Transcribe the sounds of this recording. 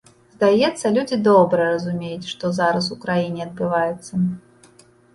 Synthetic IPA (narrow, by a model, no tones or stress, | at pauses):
zd̪ajɛt̪sːɐlʲud͡zʲid̪ɔbɾɨjɛɾɐzumʲejut͡sʲʂt̪ɔzaɾɐs̬ukɾajinʲiɐd̪̚bɨvajɛt̪sːɐ